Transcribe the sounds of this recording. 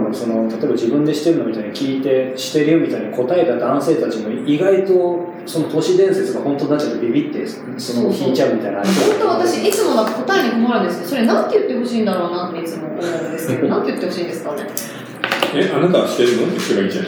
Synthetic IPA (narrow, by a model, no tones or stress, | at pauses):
moso̞no̞t̪at̪o̞ebad͡ʑibɯ̟̃nd̪e̞ɕi̥t̪ːe̞ɾɯ̟no̞mʲit̪aiɲ̟ikʲiːt̪e̞ɕi̥t̪e̞ɾɯɯmʲit̪aiɲ̟iko̞t̪aet̪ad̪ãɰ̃se̞ːt̪at͡ɕimo̞iɡait̪o̞ | so̞not̪o̞ɕid̪ẽ̞ɰ̃se̞t͡sɨɡahõ̞nt̪o̞d̪at̪ːet̪ebʲibʲit̪ːe̞ | so̞nokʲiit͡ɕaɯ̟mʲit̪ainait̪ot̪oβat̪aɕiit͡sɨmodḁko̞t̪aeɲ̟ikomoaɾɯ̟̃nd̪e̞sɨneso̞ɾe̞nãnt̪ːejɯ̟t̪ːe̞ɦo̞ɕiːnd̪aɾo̞ːnat̪ːeit͡sɨmooɾenaɾɯ̃nd̪e̞sɨ̥ke̞d̪nãnt̪ejɯ̟t̪ːe̞hoɕiːnd̪e̞sɨ̥ka | eʔanat̪aɕi̥t̪eɾɯ̟not̪ːekeɡaĩd͡ʒã̰